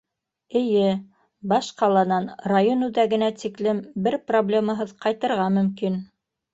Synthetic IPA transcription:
ɘ̆jɘ | bɑʃqɑlˠɑnɑnrajonʉðæɡɘ̆næt̪iklɘmbɘɾproblʲemɑɦɤðqɑjt̪ɤ̆ɾʁɑmɵ̆mkin

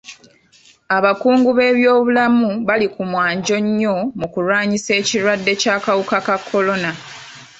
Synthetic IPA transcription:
aβakuːŋɡuβe̞ːβjo̞ːβulamuβalikumwaːɲɟo̞ɲːo̞mukulwaːɲise̞ːciɾwadːe̞caːkawukakakʰːo̞lo̞na

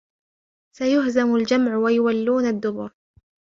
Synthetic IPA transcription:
sajʊhzamʊld͡ʒamʕwajʊwalːuːnad̪ːʊbʊɾ

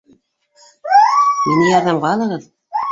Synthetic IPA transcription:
minɘjɑɾðɑmʁɑːlˠɤ̆ʁɤð

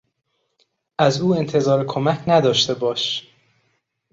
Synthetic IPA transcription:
ʔæzuːe̞nt̪ʰe̞zɒːɾekʰo̞mæcʰnæd̪ɒːʃt̪e̞bɒːʃ

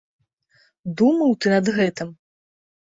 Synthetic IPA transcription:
d̪umɐwt̪ɨnɐd̪ɣɛt̪ɨm

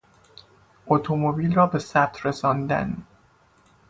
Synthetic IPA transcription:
ʔot̪ʰomobiːlrɒːbe̞sæt̪ʰresɒːnd̪æ̰n

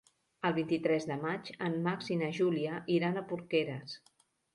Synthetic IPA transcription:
əlˠβint̪it̪ɾɛzðəmat͡ʃəmːaksinəʒuliəʔiɾanəpuɾkɛɾəs

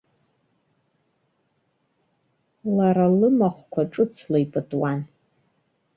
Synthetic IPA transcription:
laɾalɨmaχʷkʷʰaʈ͡ʂʼɨt͡sʰlajpʼɨtʼwan

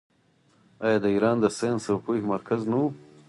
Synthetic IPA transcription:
ɑjɑːd̪əiːɾɑːnd̪əsensəwpuxmaɾkʰaznawu

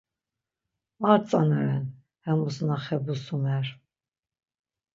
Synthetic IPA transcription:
aɾt͡sʼanɛɾɛn | hɛmusnaχɛbusumɛr

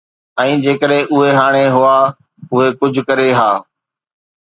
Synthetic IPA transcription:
ɛ̃ːd͡ʑeːkəɗẽʔʊɦeɦaːɽ̃eɦʊaː | ʊɦekʊd͡ʑʱkəɾeɦaː

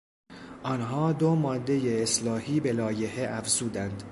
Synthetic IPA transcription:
ʔɒnɦɒːd̪o̞mɒːd̪ːe̞je̞ːslɒːhiːbe̞lɒːje̞he̞ʔæfz̥uːd̪ænd̪

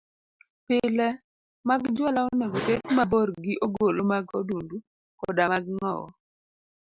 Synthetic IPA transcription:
pɪlɛ | maɡd͡ʒwɔlaoneɡotekmaboɾɡɪʔoɡolomaɡodundu | kɔdamaɡŋɔ̰wɔ̰

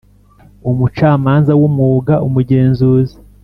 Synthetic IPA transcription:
umut͡ʃaːmaːnzawomŋuːɡaʔumuɟeːnzuːzi̥

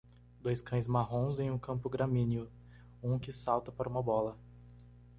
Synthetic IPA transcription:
d̪ojskɐ̃j̃zmaɦõzẽj̃ũkɐ̃mpʊɡɾɐmĩniʊ | ũkɪsawt̪ɐpaɾɐũmɐbɔlɐ

